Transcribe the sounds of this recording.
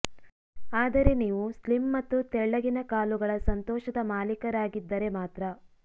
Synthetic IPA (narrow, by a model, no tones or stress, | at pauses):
aːd̪ɐɾe̞niːʋuslimːɐt̪ːut̪ɛɭːɐɡinɐkaːluɡɐɭɐsɐnt̪ɔːʃɐd̪ɐmaːlikɐɾaːɡid̪ːɐɾe̞maːt̪ɾɐ